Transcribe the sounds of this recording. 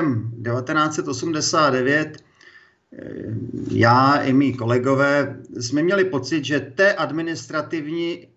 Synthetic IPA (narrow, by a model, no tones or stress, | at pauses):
mdɛvat̪ɛnaːt͡sɛt̪ʔo̞sumdɛsaːd̪dɛvjɛt̪ | jaːɪmiːko̞lɛɡo̞vɛːsmɛmɲɛlɪpo̞t͡sɪt̪ʒɛt̪ɛːʔadmɪnɪst̪ɾat̪ɪvɲi